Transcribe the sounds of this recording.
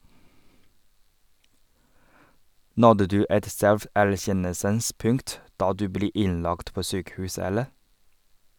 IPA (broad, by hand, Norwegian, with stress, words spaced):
ˈnɔdə ˈdʉː ˈɛt ˈsɛlfæɾˌçɛnəlsəns ˈpʉŋt ˈdɑː ˈdʉː ˈbleː ˈɪnˌlɑkt ˈpoː ˈsyːkəˌhʉːs ˈɛləɾ